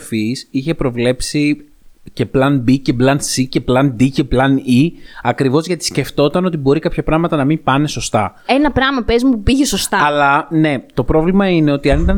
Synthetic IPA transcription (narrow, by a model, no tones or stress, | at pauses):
fisiçe̞pɾo̞vle̞psi | ce̞plɐnbice̞plɐnsice̞plɐnd̪ice̞plɐniɐkɾivo̞zʝɐt̪isce̞ft̪o̞t̪ɐno̞t̪ibo̞ɾikɐpçɐpɾɐɣmɐt̪ɐnɐmimpɐne̞so̞st̪ɐ̰enɐpɾɐmɐpezmupiʝeso̞stt̪ɐɐlɐne̞t̪o̞pɾo̞vlimɐine̞o̞t̪iɐnit̪ɐ